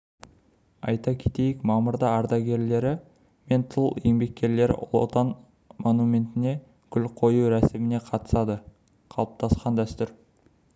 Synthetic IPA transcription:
ɑ̰jt̪ɑkʲʰe̥t̪e̞jɪkmɑmʊɾd̪ɑɑɾd̪ɑɡʲe̞ɾle̞ɾɪ | me̞nt̪ʰəlˠje̞ŋbe̞k̚ʲːe̞ɾle̞ɾɪ̰ʔʊ̰lˠo̰t̪ɑn | mo̞numʲe̞nt̪ɪne̞ | kʲʰʏlqʰo̞juɾæsɪmɪne̞qʰɑt̪ə̥sɑd̪ə | qʰɑlˠəp̚t̪ʰɑsqɑnd̪æst̪ʏɾ

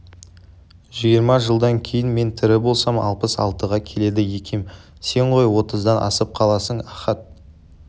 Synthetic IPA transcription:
ʒijəɾmɑʒəlˠd̪ɑŋkʲʰe̞jɪnme̞nt̪ʰɪɾɪbo̞lˠsɑmɑ̰lˠpəsɑ̰lˠt̪əʁɑkʲʰe̞le̞d̪ɪje̞kʲem | se̞ɴʁo̞jwo̞t̪əzd̪ɑnʔɑ̰səp̚qʰɑlˠɑsəɴɑχɑt̪̚

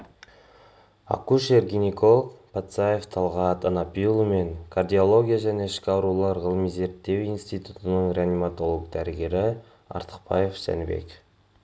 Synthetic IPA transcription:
ɑ̰kuʃerɡʲinʲiko̞lˠkpʰat̪sajeft̪ʰɑlˠʁɑt̪ɑnɑpilˠume̞ŋkʰard̪ʲio̞lˠo̞ɡʲijaʒæne̞ɪʃkʲɪɑwɾulˠɑɾʁəlˠmize̞ɾt̪ːe̞winst̪ijt̪ut̪ənəɴɾʲeanimat̪o̞lˠokd̪æɾɪɡʲe̞ɾɪ | ɑ̰ɾt̪ə̥q̚pɑje̞fsæ̰nbe̞̰kʲ

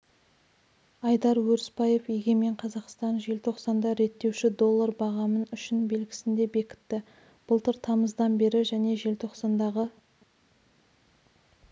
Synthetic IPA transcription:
ɑjd̪ɑɾwɵɾspɑje̞fjeɡʲe̞me̞ɴqʰɑzɑqst̪ɑnʒe̞lt̪ʰo̞qsɑnd̪ɑɾe̞t̪ːe̞wʃɪd̪o̞lˠːɑɾbɑʁɑmənʏʃɪnbe̞lɡʲɪ̥sɪnd̪e̞be̞kʲɪ̥t̪ːɪ | b̥ʊlˠt̪ɪɾt̪ʰɑməzd̪ɑnbe̞ɾɪʒæne̞ʒe̞lt̪ʰo̞qsɑnd̪ɑʁə

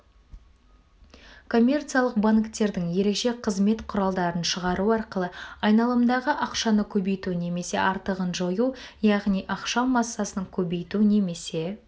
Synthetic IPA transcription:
kʰo̞mʲːe̞rt̪sijalˠəq̚baŋkt̪e̞ɾd̪ɪŋje̞ɾe̞kʃe̞qʰəzme̞t̪qʰʊɾɑlˠd̪ɑɾənʃəʁɑɾuɑɾqəlˠəɑjnɑlˠəmd̪ɑʁəʔɑqʃɑnəkʲʰɵbe̞jt̪une̞me̞se̞̰ʔɑɾt̪əʁənʒojujɑʁnijʔɑqʃɑmɑsːɑsənəŋkʲʰɵbe̞jt̪une̞me̞se̞

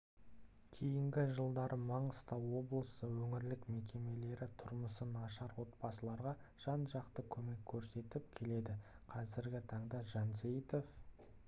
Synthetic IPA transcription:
kʲʰejɪŋɡʲɪʒəlˠd̪ɑɾʔəmɑɴəst̪ɑwo̞blˠəsəwɵŋɪɾlɪkme̞kʲʰe̞me̞le̞ɾɪt̪ʰʊɾməsənɑʃɑɾwo̞t̪̚bɑsəlˠɑɾʁɑʒ̥ɑnʒɑqt̪əkʲʰɵme̞kʲʰːɵɾse̞t̪ɪp̚kʲʰe̞le̞d̪ɪqʰɑzɪɾɡʲɪt̪ʰɑɴd̪ɑʒɑnzejit̪o̞f

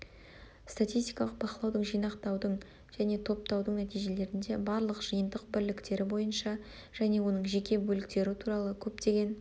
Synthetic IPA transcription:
st̪at̪ʲijst̪ijkɑlˠəq̚bɑqəlˠɑwd̪əɴʒijnɑqt̪ɑwd̪əɴ | ʒ̥æne̞t̪ʰo̞p̚t̪ɑwd̪əɴnæt̪ijʒe̞le̞ɾɪnd̪e̞bɑɾlˠəqʒ̥əjənd̪əq̚bɪɾlɪkt̪e̞ɾɪbo̞jənʃɑ | ʒ̥æne̞wo̞nəɴʒe̞kʲe̞bɵlɪk̚t̪e̞ɾɪt̪ʰuɾɑlˠəkʲʰɵp̚t̪e̞ɡʲe̞n

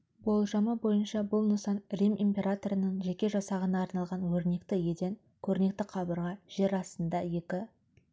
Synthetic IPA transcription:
bo̞lˠʒɑməbo̞jənʃɑbʊlˠnəsɑnrimimpʲe̞ɾat̪o̞ɾənəɴʒe̞kʲe̞ʒɑsɑʁənɑːɾnɑlˠʁɑnwɵɾne̞kt̪ɪje̞d̪eŋ | kʲʰɵɾne̞k̚t̪ɪqʰɑbəɾʁɑʒ̥e̞ɾɑst̪ənd̪ɑje̞kʲɪ

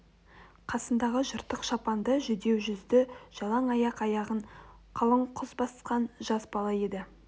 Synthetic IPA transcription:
qʰɑsənd̪ɑʁəʒəɾt̪əqʃɑpɑnd̪əʒʏd̪e̞wʒʏzd̪ɪʒ̥ɑlˠɑɴɑjɑqɑjɑʁəɴqʰəlˠəɴqʰʊzbɑsqɑnʒɑsbɑlˠɑje̞d̪ɪ

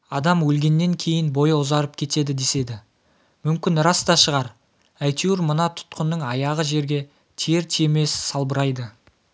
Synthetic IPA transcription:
ɑd̪ɑmwɵlɡʲe̞nːe̞ŋkʲʰe̞jɪnbo̞jʊzɑɾəp̚kʲʰe̞t̪e̞d̪ɪd̪e̞se̞d̪ɪ | mʏmkʲɪnɾɑst̪ɑʃəʁɑɾ | æjt̪ʰuuɾmənɑt̪ʰʊ̥t̪qənːəɴɑjɑʁəʒe̞ɾɡʲe̞ | t̪ʰieɾt̪ʰieme̞ssɑlˠbəɾɑjd̪ə

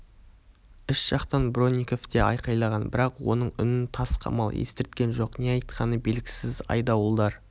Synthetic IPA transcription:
ʏʃʒ̥ɑqt̪ɑnbɾo̞nʲːiko̞ft̪eʔɑ̰jqɑjlˠɑʁɑnbɪɾɑqwo̞̰nəɴʏ̰nɪnt̪ʰɑsqʰɑ̰mɑlˠḛst̪ɪɾt̪̚kʲe̞nʒo̞qne̞jɑjt̪qʰɑnəbe̞lɡʲɪ̥sɪzɑ̰jd̪ɑwəlˠd̪ɑɾ

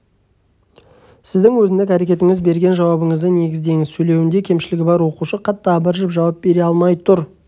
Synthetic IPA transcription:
sɪzd̪ɪŋwɵzɪnd̪ɪkæɾe̞kʲe̞t̪ɪŋɪzbe̞ɾɡʲe̞nʒɑwɑbəɴəzd̪əne̞ɡʲɪzd̪e̞ŋɪzsɵjle̞wɪnd̪ekʲʰe̞mʃɪlɪɡʲɪbɑɾwo̞quʃəqʰɑt̪ːɑɑbəɾʒɪpʒɑwɑp̚be̞ɾeɑlˠmɑjt̪ʰʊɾ

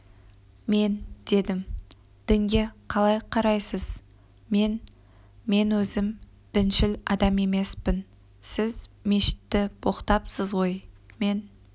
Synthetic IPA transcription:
me̞nd̪̥e̞d̪ɪm | d̪̥ɪŋɡʲe̞qʰɑlˠɑjqʰɑɾɑjsəz̥ | me̞n | me̞nwɵzɪm | d̪̥ɪnʃɪlɑd̪ɑme̞me̞spɪn | sɪzme̞ʃɪ̥t̪ːɪb̥o̞qt̪ɑpsəzʁo̞j | me̞n

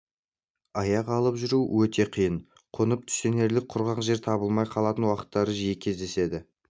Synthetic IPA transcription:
ɑjɑqɑlˠəpʒʏɾuwɵt̪ʰe̞qʰijən | qʰonəp̚t̪ʰʏ̥se̞ne̞ɾlɪk̚qʰʊɾʁɑqʒe̞ɾt̪ʰɑbəlˠmɑjqʰɑlˠɑt̪ənwɑqə̥t̪ːɑɾəʒijɪkʲʰe̞zd̪e̞se̞d̪ɪ

